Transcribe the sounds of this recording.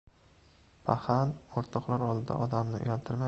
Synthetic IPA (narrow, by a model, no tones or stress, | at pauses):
pʰahanoɾt̪ʰɒqlˠaɾɒlˠd̪ɪd̪a̰ʔɒd̪amnɪʊ̰jalt̪ʰɪɾma